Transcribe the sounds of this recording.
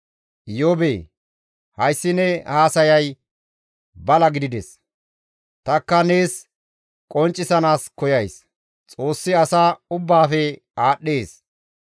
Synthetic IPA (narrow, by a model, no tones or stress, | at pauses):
jobeː | hɐjsːɪnɛhaːsɐjɐj | bɐlɐɡɪd̪ɪd̪ɛ̰s | t̪ɐkːɐne̞ːs | kʼɔnt͡ʃʼːɪsɐnaːskɔjɐjs | t͡sʼo̞ːsːɪɐsaːʊbːaːfɛ | aːɗːe̞ːs